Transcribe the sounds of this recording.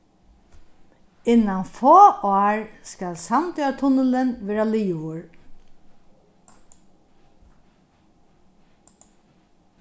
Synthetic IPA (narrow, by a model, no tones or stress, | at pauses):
ɪnːanfoːɑːɹskalsant̪ʏat̪ʰʊnəlɪnʋɛːɾaliːʊɹ